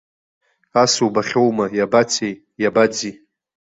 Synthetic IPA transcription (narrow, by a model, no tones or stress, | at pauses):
asubaχʲowmajabat͡sʰej | jabad͡zi